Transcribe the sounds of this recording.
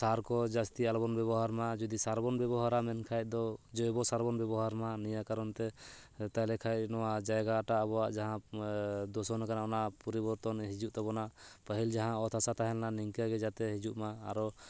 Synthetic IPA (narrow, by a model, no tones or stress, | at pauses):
saɾkɔd͡ʒast̪ialbɔnbɛβɔɦaɾmad͡ʒɔd̪isaɾbɔnbɛbɔɦaɾamɛnkʰajt̪̚ˀd̪ɔd͡ʒɔjbɔsaɾbɔnbɛbɔɦaɾmanijakaɾɔnt̪ɛt̪ajlɛkʰajt̪̚nɔwad͡ʒajɡaʈabɔwaʔd͡ʒaɦã | d̪ɔsɔnakanaɔnapɔɾibɔɾt̪ɔnɦid͡ʒuʔt̪abɔnaʔpəɦild͡ʒaɦãɔt̪ʰasat̪aɦɛlnaniŋkiaɡɛd͡ʒat̪ɛɦid͡ʒuʔma̰ːɾɔ